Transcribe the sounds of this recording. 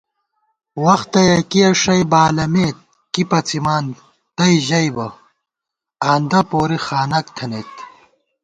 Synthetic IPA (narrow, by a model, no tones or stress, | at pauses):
wɐxt̪ɐjɐkijɐʂɐjbaːlɐmeːt̪̚ | kipɐt͡simaːn | t̪ɐjʑɐjbɐ | aːnd̪ɐpoːɾixaːnɐkt̪ʰɐneːt̪